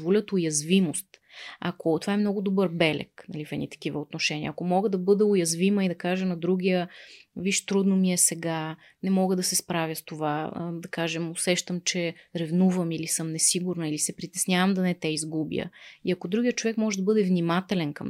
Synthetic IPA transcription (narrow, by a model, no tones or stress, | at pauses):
volʲət̪ʊjɐzvimost̪a̰kot̪ovaɛmnɔɡʊd̪obɤɾbɛlɛ̰knɐ̰lifɛd̪nḭt̪ɐ̥k̟ivəot̪noʃɛnʲḭə̰ɐkomɔɡəd̪ɐbɤd̪ɛʊjɐzviməid̪ɐkaʒɛnɐd̪ɾuɡʲijəviʃt̪ɾud̪nomiɛsɛɡa | nɛmɔɡəd̪ɐsɛspɾavʲjəst̪ovad̪ɐkaʒɛmosɛʃt̪əmt͡ʃɛɾɛvnuvəmilisɤmnɛsiɡuɾnəilisɛpɾit̪ɛsnʲjavəmd̪ɐnɛt̪ɛizɡubjə̰ḭɐkod̪ɾuɡʲijət̪t͡ʃovɛkmɔʒɛd̪ɐbɤd̪ɛvnimat̪ɛlɛnkəm